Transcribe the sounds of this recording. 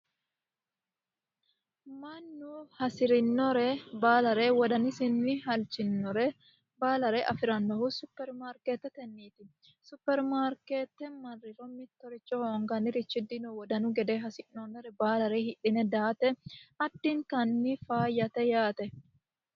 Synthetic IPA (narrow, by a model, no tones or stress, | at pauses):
mɐnːuhɐsɪɾɪnːɔɾɛbaːlɐɾɛwɔd̪ɐnɪsɪnːɪɦɐlt͡ʃɪnːɔɾɛ | baːlɐɾɛʔɐfɪɾɐnːɔhʊsʊpːɛɾmaːɾket̪ːɛt̪ɛnːiːt̪ɪ | sʊpːɛɾmaːɾkeːt̪ːɛmɐrːɪɾɔmɪt̪ːɔɾɪt͡ʃʼːɔhoːŋɡɐnɪɾɪt͡ʃːɪd̪ɪnɔwɔd̪ɐnʊɡɛd̪ɛɦɐsɪnːɔnɔɾɛbaːlɐɾehɪᶑɪnɛd̪aːt̪ɛɐd̪ːiŋkɐnːɪfaːjːɐt̪ɛjaːt̪ɛ